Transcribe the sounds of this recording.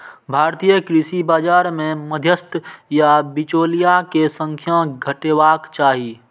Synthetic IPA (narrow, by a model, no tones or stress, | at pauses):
bʱaːɾt̪ijəkɾisibaːd͡ʒaːɾmẽməd̪ʱjəst̪jabit͡ʃoːlijakesə̃ŋkʰjãɡʱəʈeːwaːkt͡ʃaːɦi